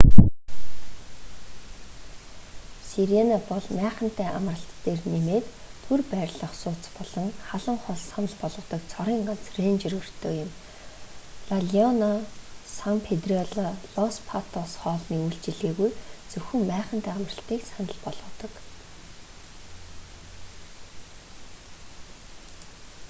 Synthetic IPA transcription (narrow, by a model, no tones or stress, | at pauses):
siɾenapɔɮmæːχə̆n̥t̪æːʔamrə̆ɬt̪ːeːrnemeːt̪t̪ʰːurpæːɾʲɮə̆χsʊːt͡spɔɮɞ̆ŋχaɮə̆ŋχɔɮsanə̆ɮpɔɮʁə̆t̪ɞ̆k̚t͡sʰɔɾiːŋɢan̥t͡srent͡ɕirɣɵ̆r̥t̪ʰoːjʊm | ɮaɮiɔnasampʰet̪riɔɮɔɮɔnspʰat̪ʰɔsχɔːɮniːujɬt͡ɕɪ̆ɮeːɣujt͡sɵxɵ̆mpæːχə̆n̥t̪æːamrə̆ɬt̪iːksanə̆ɮpɔɮʁɞ̆t̪ɞ̆k